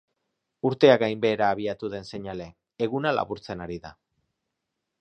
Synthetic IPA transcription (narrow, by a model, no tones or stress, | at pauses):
uɾt̪e̞aɣajmbe̞ːɾaːβ̞iat̪uðe̞nse̞ɲale̞ː | ɣunala̰βuɾt͡se̞naɾiða